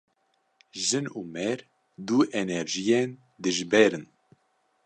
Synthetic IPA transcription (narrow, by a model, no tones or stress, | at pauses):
ʒɨnuːmɛɾ | d̪uːʔɛnɛɾʒijen | d̪ɨʒbɛɾɨn